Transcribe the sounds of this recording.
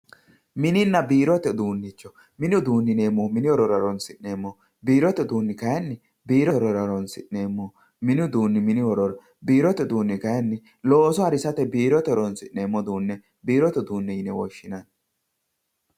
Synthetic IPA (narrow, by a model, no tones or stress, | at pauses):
mɪnɪnːɐbiːɾɔt̪ɛd̪uːnːɪt͡ʃːɔ | mɪnʊd̪uːnːɪneːmːɔmɪnɪɔɾɔɾɐɾɔnsɪʔneːmːɔ | biːɾɔt̪ɛd̪uːnːɪkɐjɐnːɪ | biːɾɔɾɔɾɐɾɔnsɪ̰ʔne̞ːmːɔ | mɪnʊd̪uːnːɪmɪnɪwɔɾɔɾɔ | biːɾɔt̪ɛd̪uːnːɪkɐjɐnːɪ | lo̞ːsɔɐɾɪsɐt̪ɛbiːɾɔt̪ɛɾɔnsɪʔneːmːɔd̪uːnːɛ | biːɾɔt̪ɛd̪uːnːɛjɪnɛwɔ̰ʃːɪnɐn